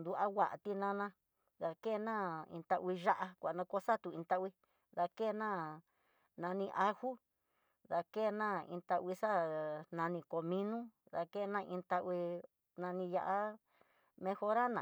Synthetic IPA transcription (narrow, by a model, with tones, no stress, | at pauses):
nd̪u˧˦ʔa˦wa˨ʔt̪i˧nã˦nã˧ | ða˧ke˦˧nã˦ḭ̃˧nt̪a˧ʔwi˧ʒa˦ʔa˧kʷa˨nã˧ko˦sa˦t̪u˨ĩ˧t̪a˦ʔwi˧˦ | ða˧ke˦˨˧nã˦˨ | nã˧nĩ˧ʔa˧hu˦ | ða˧ke˦˧nã˦ḭ̃˧nt̪a˧wi˧sa˦nã˧nĩ˧ko˨mĩ˦nũ˦ | ða˧ke˦˧nã˦˧ʔĩ˧t̪a˧ʔwi˧ | nã˧nĩ˧ja˧ʔa˦ | mẽ˧xo˧ɾa˦nã̰˨